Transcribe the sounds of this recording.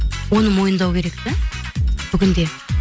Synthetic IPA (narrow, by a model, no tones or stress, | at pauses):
wo̞nəmo̞jənd̪ɑwkʲʰe̞ɾek̚t̪ɪ | b̥ʏɡʲʏnd̪e̞